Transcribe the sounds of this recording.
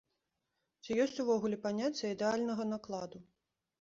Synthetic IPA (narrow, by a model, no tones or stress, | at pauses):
t͡sʲijɔsʲt͡sʲuvɔɣulʲɛpanʲat͡sʲjɐid̪ɛalʲnɐɣɐnaklˠad̪u